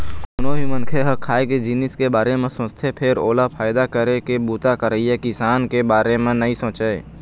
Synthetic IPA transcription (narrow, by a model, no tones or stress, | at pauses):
kʊnobʱimənkʰeɦəkʰaːeked͡ʒinɪskebaːɾemẽsʊ̃st̪ʰepʰɪɾoːlapʰaːɪd̪akəɾekebuːt̪akəɾəiekɪsaːnkebaːɾemẽnɐɦĩsõːt͡ʃəe